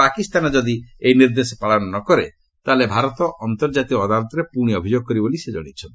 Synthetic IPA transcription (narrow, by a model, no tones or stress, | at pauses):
akist̪anɔd͡ʒɔd̪iejniɾd̪esɔpaɭɔnɔnɔkɔɾe | t̪alebʱaɾɔt̪ɔʔɔnt̪ɔɾd͡ʒat̪iɔːd̪alɔt̪ɔɾepuɽ̃iɔbʱid͡ʒoɡ̚kɔɾibolised͡ʒɔ̰ɽ̃it͡ʃʰɔ